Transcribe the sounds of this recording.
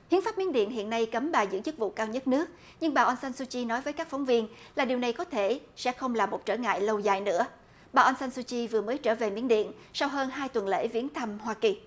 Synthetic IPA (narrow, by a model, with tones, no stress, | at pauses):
hi˨˦ənfaː˦˥p̚mi˨˦˥nɗḭ˧˨nɦḭ˧˨ənːa˧jkə˨˦mɓaː˨˩zɨ̰˧˥ŋt͡ɕɨ˦˥k̚vṵ˧˨kaː˧wɲə˦˥t̚nɨ˦˥ək̚ | ɲɨ˧ŋɓaː˨˩ʔə˧nsa˧nsu˧t͡ɕi˧nɔ˨˦jvəː˨˦jkaː˦˥k̚fɔ˨˦wŋ͡mvi˧ənlaː˨˩ɗi˨˩wna˨˩jkɔ˨˦t̪ʰe˧˩sɛ̰˧˥xə˧wŋ͡mlaː˨˩mo˨˩t̚t͡ɕəː˧˩ŋa̰ː˧˨jlə˧wzaː˨˩jnɨ̰˧˥ə | ɓaː˨˩ʔə˧nsa˧nsu˧t͡ɕi˧vɨ˨˩əməː˨˦jt͡ɕəː˧˩ve˨˩mḭ˧˥ənɗḭ˧˨ən | sa˧wɦəː˧nɦaː˧jt̪wə˨˩nlḛ˧˥vi˨˦ənt̪ʰə˧mhwaː˧ki˨˩